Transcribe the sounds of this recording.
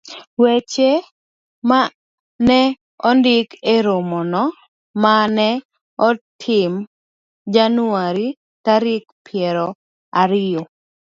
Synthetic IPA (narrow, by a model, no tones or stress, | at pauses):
wet͡ʃe | ma | nɛ | ɔndɪkeɾomɔnɔ | manɛ | ɔtʰɪm | d͡ʒanʊaɾi | taɾɪk̚pʰɪɛɾɔ | aɾɪo